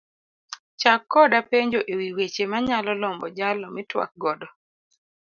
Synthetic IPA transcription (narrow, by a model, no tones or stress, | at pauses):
t͡ʃakːɔdapeɲd͡ʒoʔewiwet͡ʃemaɲalɔlɔmbɔd͡ʒalɔmɪtwa̰k̚ɡɔdɔ